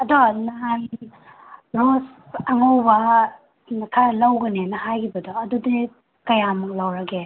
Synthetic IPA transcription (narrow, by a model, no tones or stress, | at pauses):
ɐdɔnal | ɾos | ɐŋowbɐ | nɐkʰalɐwɡɐnenɐhajkʰibɐdɔɐdudi | kɐjamɐk̚lawɾɐke